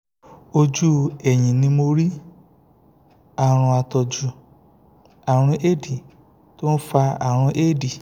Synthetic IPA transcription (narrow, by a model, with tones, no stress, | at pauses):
o˧d͡ʒu˦ɛ˨ɲĩ˨nĩ˧mo˧ɾi˦ | a˨ɾ̃ũ˧a˧tɔ˧d͡ʒu˧ | a˨ɾ̃ũ˧ʔe˦di˨ | to˦n̩˦fa˧a̰˨ɾ̃ũ˧ʔe˦˨di˨